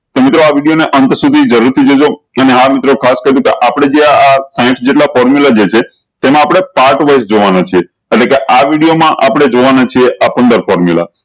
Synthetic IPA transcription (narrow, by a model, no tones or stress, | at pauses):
t̪omɪt̪ɾoaʋiɽijoneʔənt̪əsud̪ʱid͡ʒəɾuɾt̪ʰid͡ʒod͡ʒoəneɦamɪt̪ɾokʰaskəɾj̪ũkeʔapɽ̃ed͡ʒeaasãɪ̃ʈd͡ʒeʈlafɔɾmjulad͡ʒet͡ʃʰe | t̪emãapɽ̃epaʈʋəʃd͡ʒoʋanat͡ʃʰieː | ʈlekeʔaʋiɽijomãʔapəɽ̃ed͡ʒoʋanat͡ʃʰieʔapənd̪əɾfɔɾmjula̰